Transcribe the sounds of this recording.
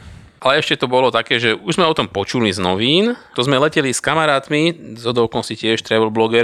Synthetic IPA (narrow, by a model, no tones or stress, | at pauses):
ʔalɛɛʃcɛt̪ɔbɔlɔt̪akɛːʒɛʔuʒzmɛɔt̪ɔmpɔt͡ʃuliznɔ̰ʋiːnt̪ɔzmɛlɛcɛliskamaɾaːt̪mizɦɔd̪ɔʊkɔnsicɪɛʃt̪ɾɛbɔlblɔɡɛɾ